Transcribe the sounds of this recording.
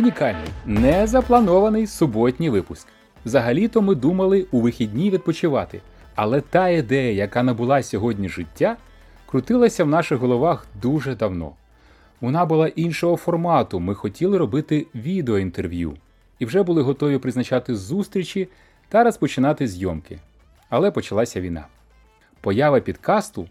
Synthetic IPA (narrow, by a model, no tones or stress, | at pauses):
ʊnʲikɑlʲnɪ̰jnɛzɐplˠɐnɔʋɐnɪjsʊbɔtʲnʲijʋɪpʊsk | wzɐɦɐlʲit̪ɔmɪd̪umɐlˠɪuʋɪxʲidʲnʲiʋʲid̪̚pɔt͡ʃɪʋɑt̪ɪ̰ | ɐlˠɛt̪ɑid̪ɛjɐjɐkɑnɐbʊlˠɑsʲɔɦɔdʲnʲiʒɪtʲːa | kɾʊt̪ɪlˠɐsʲɐwnɑʃɪɣɦɔlˠɔʋɑxd̪uʒɛd̪ɐwnɔ̰ | ʋɔnɑbʊlˠɑʔinʃɔɦɔfɔrmɑt̪ʊmɪxɔtʲilˠɪɾɔbɪt̪ɪʋʲid̪eɔint̪erʋʲjṵ | iwʒɛbʊlˠɪɦɔt̪ɔʋʲipɾɪznɐt͡ʃɑt̪ɪzust̪ɾʲit͡ʃi | t̪ɐɾɐspɔt͡ʃɪnɑt̪ɪzʲjɔmkɪ̰ | ɐlˠɛpɔt͡ʃɐlˠɑsʲɐʋʲijnɑ̰ | pɔjɑʋɐpʲid̪kɑst̪ʊ